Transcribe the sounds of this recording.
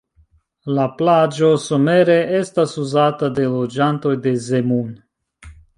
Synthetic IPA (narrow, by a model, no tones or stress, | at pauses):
laplad͡ʒo̞some̞ɾe̞ʔe̞stasuzatade̞lo̞d͡ʒanto̞jde̞zemun